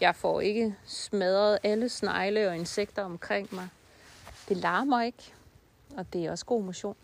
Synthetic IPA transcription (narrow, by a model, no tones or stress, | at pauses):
jɑ̈ɪfɒ̰e̝ɡ̥əsmɛð̞ˠɐð̩ˠʔæləsnɑ̈ɪləɒ̽e̝nseɡ̥̚d̥ɐɒ̽mkʰʁeŋ̰mɑ̈ɪ | d̥e̝lɑ̈ːɐmɑ̈ɪe̝ɡ̥ | ɒ̽d̥e̝æɒ̽sɡ̥o̝̰ːmoɕo̝̰ːn